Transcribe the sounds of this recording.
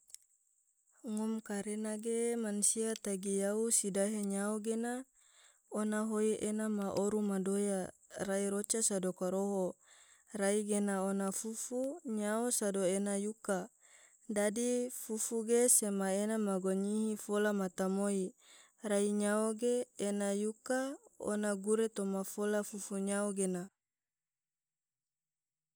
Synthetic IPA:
ŋɔmkaɾenaɡemansiat̪aɡijausidaɦeɲaoɡena | onaɦoiʔenamaʔoɾumadoja | raiɾot͡ʃasadokaɾoɦo | raiɡenaonafufuɲaosadoenajuka | dadifufuɡesemaenamaɡoɲiɦifolamat̪amoi | raiɲaoɡeːnajukao̰naɡuɾet̪omafolafufuɲaoɡena

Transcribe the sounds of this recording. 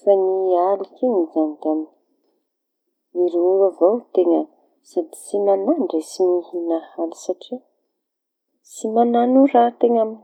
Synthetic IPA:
fanialikinizanid̪am | iɾuɾavowt̪eŋə | sad̪i̥simanaɳɖ͡ʐesinihinahalisaʈ͡ʂi | simananuɾat̪eŋami

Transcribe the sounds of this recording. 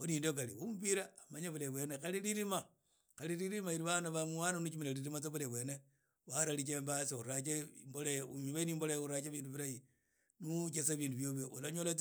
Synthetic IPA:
kuniːndok̬aliumpiɾaːmaɲaβuleβwenexaliliɾima | xaliliɾimaiɾiβanaβamuwananut͡ʃumilaliɾimat͡saβuleβwene | waɾalit͡ʃembasiuɾat͡ʃembolajeumiweniːmbolajuɾat͡ʃeβiːnduβiɾaji | nut͡ʃesaβiːnduβjoβjoolaɲolat͡s

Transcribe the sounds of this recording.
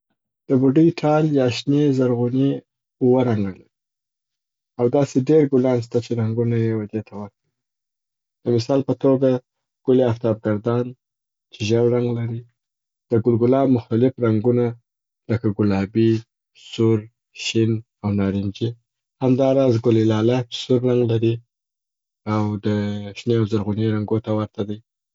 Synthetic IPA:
d̪̥əbuɖijʈʰɑljɑʃnezaɾɣune | ʊwaɾaŋɡalaɾi | awd̪ɑseɖeɾɡʊlɑns̬t̪at͡ʃeɾaŋɡunajewad̪et̪ʰawaɾkai | d̪̥əmɪsɑlpət̪oɡa | ɡ̥ʊleaft̪ɑb̚ɡaɾd̪ɑn | t͡ʃɪʒawɾaŋɡlaɾi | d̪̥əɡʊlɡʊlɑbmʊxt̪alɪfɾaŋɡuna | ləkaɡʊlɑbi | sʊɾ | ʃɪn | awnɑɾimd͡ʒi | hamd̪ɑɾɑzɡʊlilɑlat͡ʃsʊɾːaŋɡlaɾi | awd̪əʃneawzaɾɣʊneɾaŋɡot̪awaɾt̪ʰad̪əj

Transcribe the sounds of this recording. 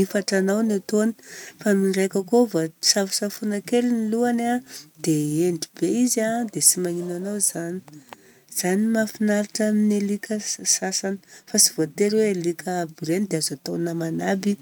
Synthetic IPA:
ifaʈ͡ʂanawnat̪oni̥famiɖ͡ʐajkakovasafu̥safunakeliniluanad̪̥eeɳɖ͡ʐibeizad̪esimaŋinanawz̥ani̥ | z̥animafinaɾiʈ͡ʂaminelikʰəsasanə̥fasivot̪eɾwelikʰəbiɾenid̪eazat̪onamanabi

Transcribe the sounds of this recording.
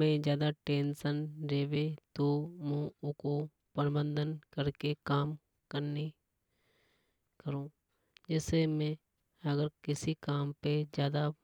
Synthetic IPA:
mẽd͡ʒjaːd̪aʈeːnsənɾeːʋet̪omẽʊko | pəɾbə̃nd̪ənkəɾkekaːm | kəɾne | kəɾũː | d͡ʒɛːsemẽ | ɐɡəɾkɪsikaːmped͡ʒjaːd̪a

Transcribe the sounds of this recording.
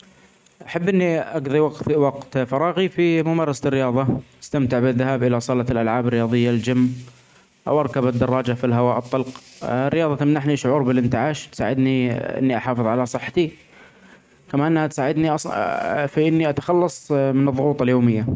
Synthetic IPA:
ʔaħabːʔɪnːiʔaɡðˤiwɑwɑqt̪fɑɾˤɑːɣifimʊmɑːɾˤɑsḁrːɪjɑːðˤɑʔast̪amt̪ɪʕbɪðːaɦaːbʔɪlasˤɑlɑlʔalʕaːbɪrːɪjɑːðˤɨjːald͡ʒamː | ʔa̰wʔɑɾˤkabɪd̪ːɑrˤːɑːd͡ʒafilɦawaːʔɨt̪ˤːɑlqrːɪjɑːðˤɑt̪amnaħniʃʊʕuːɾbɪlʔɪnt̪ɪʕaːʃt̪sa̰ːʕɪd̪niʔɪ̰nːiʔaħɑːfɨðˤʕalasˤɨħːḁt̪i | kamaʔɪnːahat̪saːʕɪd̪niʔɑsˤfiʔɪnːiʔat̪ḁxɑlːɑsˤmɪnɨðˤːʊɣuːt̪ˤɑljoːmɪjːa

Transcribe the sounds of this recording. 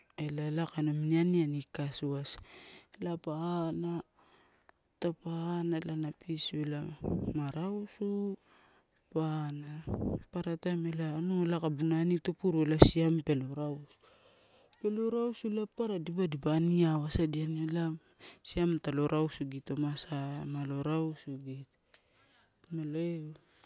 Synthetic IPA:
elalakanomnianianikasuaslapaana | tapanalanapiselamaɾawsu | panapaɾatamelanuelakabunanitopuɾuelasiampe̞loɾawsu̥ | pe̞loɾawsulapːaɾadibadibaniaβasadianola | siamtalo̞ɾawsuɡito̞masamalo̞ɾawsuɡit | maloe

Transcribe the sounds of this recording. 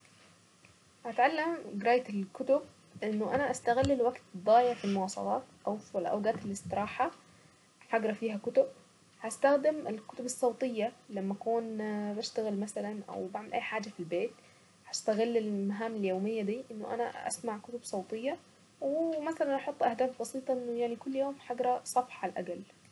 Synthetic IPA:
hat̪ʕalːamɡɾˤɑːjaɪlkʊt̪ʊb̚ | ʔɪnːʊʔanaʔast̪aɣɪlːɪlwaɡt̪d̪ˤːɑːjɪʕfilmʊwɑːsˤɑ̰lɑ̰ːt̪ʔawflʔa̰wɡaːt̪ɪlɪst̪ɨɾˤɑːħa | ħɑɡɾˤɑfiːɦakʊt̪ʊb̚ | hast̪axd̪ɪmɪlkʊt̪ʊbɨsˤːɑwt̪ˤɨjːalamːaʔakuːnbaʃt̪aɣɪlmasalanʔa̰wbaʕmɪlʔa̰jːħaːd͡ʒafilbeːt̪ | hast̪aɣɪlːɪlmaɦaːmɪljoːmɪjːad̪iːʔɪnːʊʔa̰naʔa̰smaʕkʊt̪ʊbsˤɑwt̪ˤɨjːa | wɪmaθalanʔɑħʊt̪ˤːʔahd̪aːfbɑsiːt̪ˤɑʔɪnːʊjaʕnikʊlːjoːmħaɡɾˤɑsˤɑfħʕalʔa̰ɡal

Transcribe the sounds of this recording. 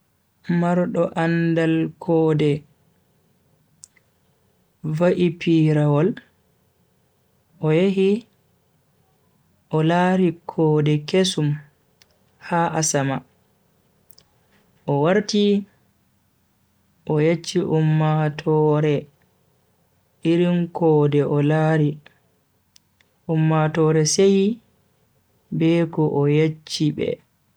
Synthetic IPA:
maɾɗɔʔandalkʰɔːdɛ | vaʔipiɾawɔl | ʔɔjeɦi | ʔɔlaːɾikʰɔːdɛkesum | haʔasama | ʔɔwaɾti | ʔɔjet͡ʃːiʔumːatʰɔɾɛ | iɾimkʰɔdɛʔɔlaːɾi | ʔumːatɔːɾɛseji | bɛkɔʔɔjet͡ʃːibɛ̰

